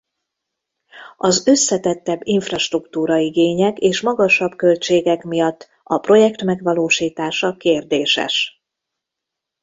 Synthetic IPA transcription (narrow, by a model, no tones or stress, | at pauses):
ɒzø̞sːɛt̪ɛt̪ːɛbːiɱfrɒʃt̪rukt̪uːɾɒiɡeːɲɛkeːʃmɒɡɒʃɒbkø̞lt͡ʃeːɡɛkmijɒt̪ː | ɒpro̞jɛkt̪mɛɡʋɒloːʃiːt̪aːʃɒkeːrd̪eːʃɛ̰ʃ